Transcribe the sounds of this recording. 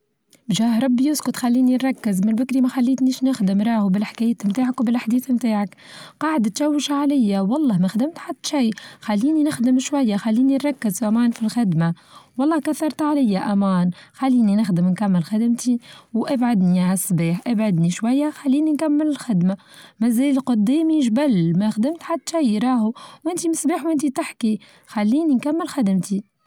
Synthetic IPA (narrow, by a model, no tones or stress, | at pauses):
ʒaːhɾˤɑbːijʊskʊt̪xalːiːninɾˤɑkːɪzmɪlbɪkɾimæxalːiːt̪niːʃnɪxd̪ɪmɾˤɑːhubɪlħkæːjɪt̪mt̪aːʕakwbɪlaħd̪iːθmt̪aːʕak | qɑːʕəd̪t̪ʃæwːɪʃaʕalajːawɑlˤːɑːmæxd̪ɪmt̪ħad̪t̪ːʃiːxalːiːninɪxd̪ɪmʃwæjːaxalːiːninɾˤɑkːɪzʔæmæːnfilxɪd̪ma | wɑlˤːɑːhkaθɑɾˤt̪ʕalajːaʔæmæːnxalːiːninɪxd̪ɪmnkamːɪlxɪd̪ɪmt̪iwʔabʕad̪niʕasːbiːħʔabʕad̪niʃwajːaxalːiːninkamːɪlɪlxɪd̪ma | mæzæːlɪlqʊd̪ːiːmiʒbælmæxd̪ɪmt̪ħad̪ːʃajɾˤɑːhuwʔɪnt̪imɪsbiːħwʔɪnt̪it̪ɪħki | xalːiːninkamːɪlxad̪ɪmt̪i